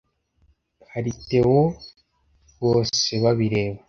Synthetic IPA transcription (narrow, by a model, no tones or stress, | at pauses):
haɾite̞wo | βo̞ːse̞βaβiɾe̞ːβa